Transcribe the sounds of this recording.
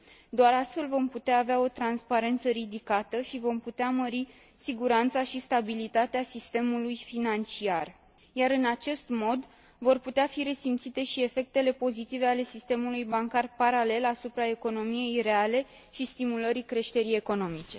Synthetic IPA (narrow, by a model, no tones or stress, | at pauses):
d̪oaɾast̪fe̞lvo̞mput̪eaːveao̞t̪ɾanspaɾe̞nt̪səɾid̪ikat̪əʃivo̞mput̪eaməɾi | siɡuɾant̪saʃist̪abilit̪at̪easist̪e̞mulujfinant͡ʃiar | jaɾɨnat͡ʃe̞st̪mo̞d̪ | vo̞rput̪eafiɾe̞simt̪sit̪e̞ʃie̞fe̞k̚t̪e̞le̞po̞zit̪ive̞ale̞sist̪e̞mulujbaŋkarpaɾale̞lasupɾae̞ko̞no̞mije̞jre̞ale̞ | ʃist̪imuləɾikɾe̞ʃt̪e̞ɾije̞ko̞no̞mit͡ʃe̞